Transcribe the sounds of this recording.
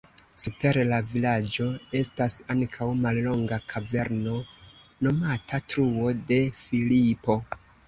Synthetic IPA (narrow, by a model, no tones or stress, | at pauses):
supe̞ɾlavilad͡ʒo̞e̞stasaŋkʰawmallo̞ŋɡakʰave̞ɾno̞ | no̞matʰatɾuo̞de̞filipo̞